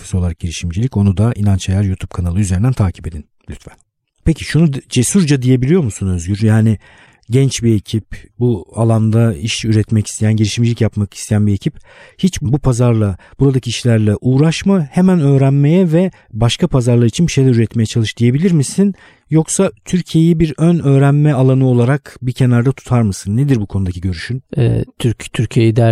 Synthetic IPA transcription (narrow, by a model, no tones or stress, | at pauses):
fi̥sioaɾak̚ɟ̥iɾiʃimd͡ʒilʲico̞nud̪aʔinant͡ʃʰajaɾjut̪ʰup̚kʰanalˠɯyzeɾind̪ænt̪ʰaːcʰi̥pe̞d̪in | lʲyt̪væn | pʰecʰi̥ʃunud͡ʒesuɾd͡ʒad̪ije̞bilʲijo̞ɾmusunø̞zɟyɾjaːnɪ | ɟɛnt͡ʃbiecʰip̚bualˠand̪aiʃyɾɛt̪mɛci̥st̪ʰejænɟiɾiʃimd͡ʒilʲicjapmaki̥st̪ʰejænbie̞cʰiphit͡ʃbbupʰazaɾlˠab̥uɾad̪acʰiiʃlʲæɾlʲɛʔuːɾaʃmahemænø̞ːɾænme̞jɛvɛ | baʃkʰapʰazaɾlˠaɾit͡ʃʰinbiʃe̞jlʲɛɾyɾɛt̪me̞jɛt͡ʃʰalˠɯʃd̪ije̞bilʲiɾmisin | jo̞ksat̪ʰyɾcʰije̞jibiɾønø̞ːɾænmɛalˠanɯo̞lˠaɾakbicʰe̞naɾd̪at̪ʰu̥t̪ʰaɾmɯsɯnːed̪iɾbukʰo̞nud̪acʰiɟø̞ɾyʃynɛ̰t̪ʰyɾt̪ʰyɾcʰejid̪æ